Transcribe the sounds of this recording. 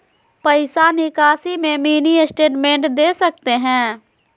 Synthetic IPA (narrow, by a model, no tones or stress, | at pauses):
pəɪsanɪkaːsimẽmiːniɪsʈeːʈmẽɳʈd̪eːsɐk̚t̪eɦɛ̃ː